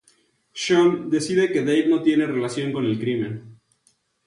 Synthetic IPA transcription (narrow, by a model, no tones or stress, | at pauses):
ʃond̪e̞siðe̞ke̞ðejβno̞t̪je̞ne̞re̞lasjo̞ŋko̞ne̞lkɾimẽ̞n